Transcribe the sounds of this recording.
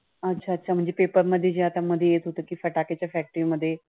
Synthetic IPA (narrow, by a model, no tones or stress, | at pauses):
ətːʃʰaːətːʃʰaːmʊ̃ɲd͡ʒepeːpəɾməd̪ʱiːd͡ʒeat̪ãmə̃d̪eeːt̪ʰut̪əkifʰəʈaːket͡ʃɛfʰɛːk̚ʈɪʋməd̪eː